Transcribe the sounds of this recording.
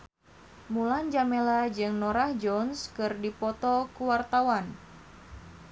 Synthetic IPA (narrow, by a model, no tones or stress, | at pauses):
muland͡ʒamelad͡ʒɨŋnɔɾahd͡ʒɔnskɨrdipɔt̪ɔkuwart̪awan